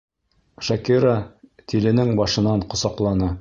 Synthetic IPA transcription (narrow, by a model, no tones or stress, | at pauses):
ʃɑkiɾat̪ʰilɘ̆nɘŋbɒʃɤ̆nɑɴqŏsɑqlˠɑnɤ